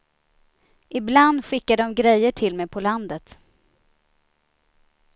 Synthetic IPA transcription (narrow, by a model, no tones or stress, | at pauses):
ʔɪbland̪ɧɪkːad̪əɔmɡɾɛjːəʈʰɪlmɛjpʰɔland̪ət̪